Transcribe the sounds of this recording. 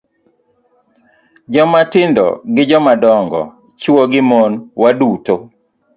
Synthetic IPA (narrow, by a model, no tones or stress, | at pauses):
d͡ʒɔmatɪndɔ̰ɡɪd͡ʒɔmadɔŋɡɔ̰ | t͡ʃoɡɪmonwaduto